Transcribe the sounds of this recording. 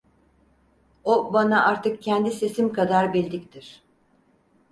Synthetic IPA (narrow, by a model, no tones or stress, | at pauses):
obanaʔaɾt̪ʰɯk̚cʰɛnd̪ise̞simkʰad̪aɾbilʲd̪ic̚t̪ʰiɾ̥